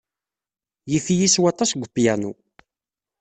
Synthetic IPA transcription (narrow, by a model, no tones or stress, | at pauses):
jiθijiswɑt̪ˤɑsɡʷəpːjænṵ